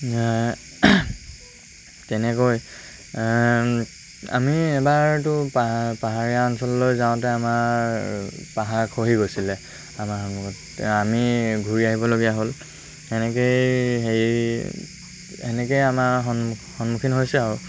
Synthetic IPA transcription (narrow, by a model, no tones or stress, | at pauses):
tɛnɛkoj | a̰miɛbaɹtʊpapaɦaɹiaɔnsɔlːojzãʊ̃tɛama | paɦaɹkʰoɦiɡojsilɛ | amaxɔnmukt | amiɡʱuɹiaɦibɔloɡijaɦol | ɛnɛk̬ejɦej | ɛnɛkejamaɦɔnxɔnmukʰinɦojsɛaɹʊ